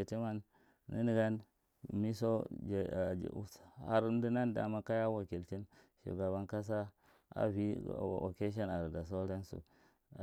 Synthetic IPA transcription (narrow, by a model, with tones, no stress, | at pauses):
e˨te˦ma˦n | nḭ˦ni˨ɡa˦n | mi˦so˦˨˦ | a̰˨ɾn˦du˦na˦nda̰˨ma˦ka˦ja˦wa˨ki˨lti˦nʃḭ˨ɡa˨βa˦nka˦s̬a˦ | a̰˦vḭ˦˨o̰˨ke˦ʃ̬a˦na˨ɾda˨s̬o˦ɾa˦nsṵ˨